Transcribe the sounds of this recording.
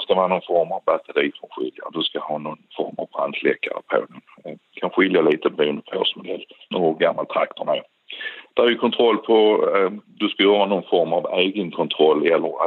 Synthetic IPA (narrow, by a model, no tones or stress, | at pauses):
skavɪhɑːnɔnfɔɾmavbat̪ʰəd̪iːfɾɔnɧɪ̰lja̰d̪ɵskahɑːnɔnfɔ̰ɾma̰vbɾa̰nd̪ʂlɛ̰kːa̰ɾə̰pʰo̰ːnɪŋ | kʰanɧɪljaliːt̪əbɾʉːnd̪əpʰoːsmʊd̪ɛlːnoːɡɔɡamːalt̪ʰɾakt̪ʊɳaj | d̪̥æhaɾjʏkʰɔnt̪ʰɾɔlːpʰɔ | d̪ɵskajhːɑanɔnfɔɾmaveːɡənkʰɔnt̪ʰɾɔlːɛlːəɾa